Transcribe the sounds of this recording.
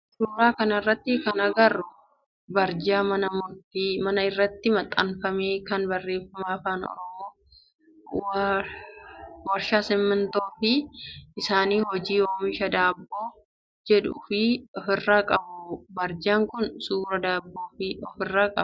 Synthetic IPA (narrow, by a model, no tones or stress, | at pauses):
suːɾaːkɐnɐɪrːɐt̪ːɪkɐnɐɡɐrʊ | bɐɾd͡ʒaːmɐnɐmʊɾt̪iːmɐnɐɪrːɐt̪ːɪmɐt̪ʼːɐnfɐmeːkɐnbɐrːe̞ːfːɐmaːfaːnɔ̰ɾɔmoː | w | wɐɾʃaːsɪmːɪnt̪o̞ːfɪɪsaːniːhɔd͡ʒiːoːmɪʃɐd̪aːbːo̞ː | d͡ʒɛᶑʊ̰fɪɔfɪrːaːkʼɐbʊbɐɾd͡ʒaːŋkʊnsuːɾɐd̪aːbːoːfɪɔfɪrːaːkʼɐ̰b